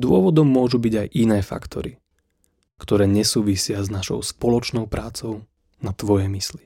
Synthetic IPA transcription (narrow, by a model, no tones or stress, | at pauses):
d̪ʊɔʋɔd̪ɔmːʊɔʒubiɟajʔinɛːfa̰kt̪ʰɔ̰ɾi | kt̪ɔɾɛːɲɛsuːʋisɪaznaʃɔ̰ʊspɔlɔt͡ʃnɔʊpɾaːt͡sɔʊ | nat̪ʋɔjɛmisli